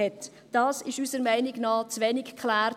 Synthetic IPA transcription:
ɛt | d̥ɑːsɪʃysəɾmæɪnɪɡnɑːt͡sʋɛnɪkkʰχlæːɾ

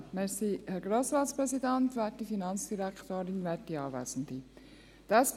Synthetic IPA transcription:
mɛsihɛɾɡɾoːsɾɑːtspɾɛsidænt̪ʋɛtifinɑnt͡sd̥iɾækt̪oːɾɪnʋɛtdiɑːʋæ̰ːsn̩d̪i | d̥ɑs

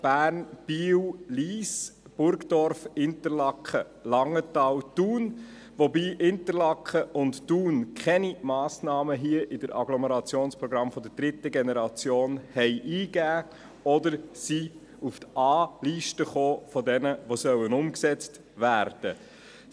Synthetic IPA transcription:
b̥æːɾnb̥iːwliːs | b̥ʊɾkdɔɾfɪnt̪əɾlɑkχə | lɑŋətɑwtuːn | ʋɔbiːʔɪnt̪əɾlɑkʰχəʔʊnttuːnkʰχɛnimɑːsnɑːməɦiəʔɪdəɾʔɑɡlɔməɾɑt͡sjoːnspɾɔɡɾɑmfɔd̪əɾd̥ɾɪt̪əɡenɛɾɑt͡sjoːnhɛɪʔiːɡæː | ɔd̪əɾsi | uft̪ɑːliʃtəχoːfɔdɛnəʋosœwənʊmksɛt͡st | ʋæːɾd̥ə

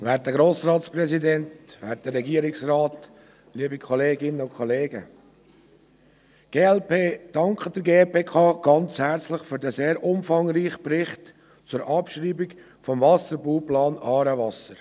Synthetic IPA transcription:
vɛːɾtəɡ̥ɾoːsɾɑːtspɾɛzidɛntʋæːɾtdəːɛɡiəɾɪksrɑːt | liəbikʰɔleːɡɪnəʊkʰχɔleːɡə̰ | ɡ̥eːɛlpeːd̥ɑŋkχəd̥əɾɡeːpeːkʰɑːɡ̥ɑnt͡shæɾt͡slɪχfyɾdəseːɾʔʊmfɑŋɾiːχəprɪχt | t͡sʊɾʔɑpʃɾiːbik | fɔmvɑsəɾbuːplɑːnɑːɾəvɑsəɾ

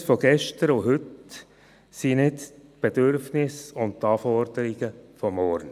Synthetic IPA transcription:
fɔɡ̥ɛʃtəɾʊɦʏt | sinɪt | b̥ed̥øɾfnɪsʊntt̪ɑːfɔrd̥̪əɾɪɡ̥əfɔmːɔɾn

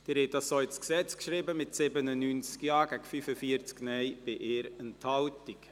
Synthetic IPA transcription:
d̥ɪɾhɛt̚dɑssoɪsksɛt͡skʃɾɪbəmɪtsɪbənənyːnt͡skjɑːɡæɡ̥fyfəfiəɾt͡sknɛɪb̥ɪʔɪːɾɛnthɑltik

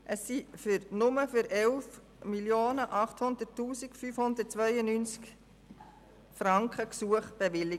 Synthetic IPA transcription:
ʔəsːifʏɾnʊməfʏɾʔɛlf | miljoːnəʔɑχthʊnd̪ətːuːsikfyːfhʊnd̪ət̚t͡sʋœʏənyːnt͡sk | fɾɑŋkχəksuəχb̥eʋɪli

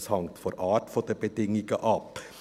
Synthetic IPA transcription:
shɑŋt̪fɔɾʔɑːʈfɔd̪ɛbəd̪ɪŋːɪɡəʔɑpː

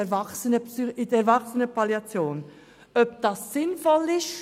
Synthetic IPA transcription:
ɛvɑksənəpsyɪdɛɾvɑksənəpʰaljɑt͡sjoːn | œp̚d̥ɑːsːɪnfɔlɪʃ

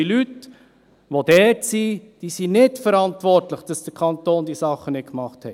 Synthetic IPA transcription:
ilyt | ʋod̥ɛːtsid̥iːsinɪtfəɾɑntʋɔɾtləχd̥ɑsd̥əkʰɑnt̪oːndisɑχənɪtkmɑχthɛ

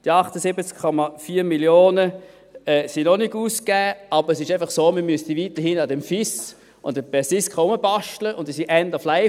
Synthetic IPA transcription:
d̥iɑχtəsɪbət͡skkʰːɔmɑfiːmiljoːnə | ɛːsinɔniɡuːskɛːɑbəɛsɪʃaɪfɑχsoːməmystivitəhinɑdɛmfɪs | ʊndəbɛsɪskχɑʊməbɑʃtləʔʊndisiʔɛndɐflaɪ

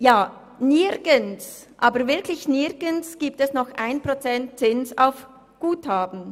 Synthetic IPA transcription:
jaː | nɪʁɡ̥əns | ʔaːbəɾvɪɐklɪçnɪɡənsɡ̥iːp̚tɛsnɔχʔaɪnpʁ̥ot͡sɛntt͡sɪnsaʊf | ɡ̥uːthaːbn̩

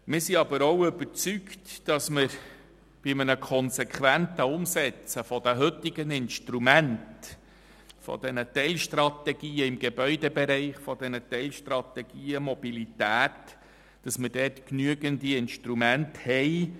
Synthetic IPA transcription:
mɪːɾsiɑbəɾɔwʏbəɾt͡syktd̥ɑsmɪɾ | b̥ɪmənəkʰɔnsɛkʰχʋæntəʊmsɛt͡səfɔdæɦɵt̪ːɪɡənɪnʃtɾumænt | fɔ̰dɛnət̪ɛlʃtrɑt̪ɛɡ̥iːəɪmɡebœʏdɛbeɾɛɪχfɔdɛnət̪ɛlʃtrɑt̪ɛɡ̥iːəmɔbilitæːt | d̥ɑsməɾdɛtknyəɡəndiɪnʃtɾumænthɛɪ

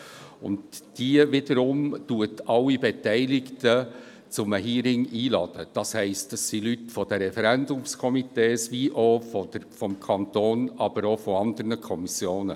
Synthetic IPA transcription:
ʊ̰ndd̥iəʋɪdəɾʊmtuətʰɑwːibetɛɪlɪktə | t͡sʊməɦiːɾɪŋiːlɑd̥əd̥ɑshɛɪstɑsːilytfɔd̥əɾɛfɛɾændʊmskʰɔmiteːsʋiʔofɔdəɾfɔmkʰɑntoːnɑb̥əɾofɔɑnd̪əɾnəkʰɔmisjoːnə

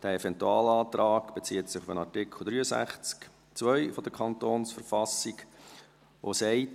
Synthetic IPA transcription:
d̥æːɛvɛntuɑ̰ːlɑːtɾɑːkb̥et͡siːətsɪχufənɑɹtɪkʰl̩ˠd̪ɾyːəsæ̰χt͡sk | t͡svœʏfɔd̥̪əkʰɑntoːnsfəɾfɑsik | ʔo̰sɛɪt

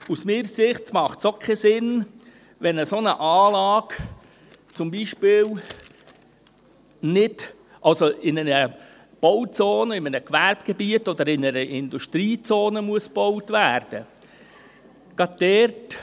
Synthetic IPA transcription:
usmiːɾəsɪχtmɑχtsokʰɛsɪn | ʋɛnəsonəʔɑːlɑːɡ̥ | t͡sʊmbiʃpɪːl | nɪd̥ | ʔɑlsoɪnənə | b̥ɔwt͡soːnəɪmənəkʋæɾb̥ɡ̥ɛbiətɔd̪əɾɪnəɾəʔɪnd̪uʃtɾiːt͡soːnəmuəsb̥ɔwtvæːɾd̥ə̰ | ɡ̥ɑd̚d̥ɛrt

